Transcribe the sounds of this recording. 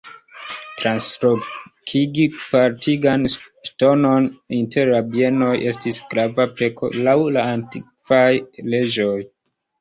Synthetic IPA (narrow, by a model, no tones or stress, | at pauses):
tɾansɾokʰiɡipaɾtʰiɡanʃto̞no̞ninte̞ɾabie̞no̞jʔe̞stisɡɾavape̞kʰo̞̰lawlaːntikvajle̞d͡ʒo̞j